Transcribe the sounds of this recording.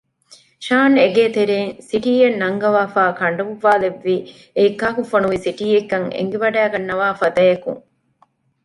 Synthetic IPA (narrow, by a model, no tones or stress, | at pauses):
ʃaːneɡeːt̪eɾeːnsiʈiːenːɐŋɡɐʋaːfaːkɐɳɖɐʋuʋːaːleʋːiː | eikːaːkufɐnuʋisiʈiːjekːɐŋḛŋɡeʋɐɖæːɡɐnːɐʋaːfɐd̪ɐjɐkṵŋ